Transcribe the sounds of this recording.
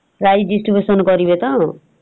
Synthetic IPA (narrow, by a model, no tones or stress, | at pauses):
ɾajd͡ʒisʈribesɔnɡʌɾibet̪ʌ